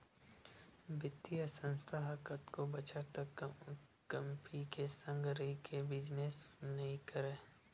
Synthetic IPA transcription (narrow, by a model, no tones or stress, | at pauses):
bɪt̪ːijəsə̃nst̪ʰaɦəkət̪kobɐt͡ʃat̪ə | kɐmpʰikesə̃ŋɡɾikʰebɪd͡ʒnesnɐɦĩkəɾẽː